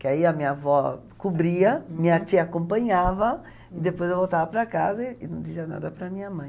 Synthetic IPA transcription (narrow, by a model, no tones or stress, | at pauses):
kɪaiɐmĩɲavɔ | kubɾiɐmiɲɐt͡ʃiakõmpɐ̃ɲavɐ | ɪd̪epojzewvowt̪avɐpɾɐkazɐɪnɐ̃w̃d͡ʒ̪iziɐna̰d̪ɐpɾɐmĩɲɐmɐ̃j̃